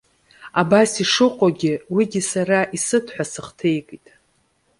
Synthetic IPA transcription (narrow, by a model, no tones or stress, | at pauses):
abasiʂɨqʷʼaɡʲɪwiɡʲɪsaɾaʔisɨtʰħʷᶣasɨχtʰejkʼitʼ